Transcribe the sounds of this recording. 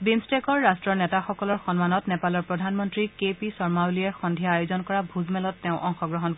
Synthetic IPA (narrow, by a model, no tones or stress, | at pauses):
bimstekɔɹːastɹɔɹnɛtaxɔkɔlɔɹxɔnmanɔtnɛpalɔɹpɹɔdʱanmɔntɹikepisɔɹmawliɛxɔndʱijaːjozɔnkɔɹabʱuzmɛlɔtːɛʊ̃ʔɔŋxɔɡɹɔɦɔnk